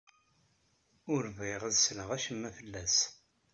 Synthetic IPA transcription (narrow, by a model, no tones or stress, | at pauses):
ʊɾviʁæðsləʁæʃəmːæfəlːæs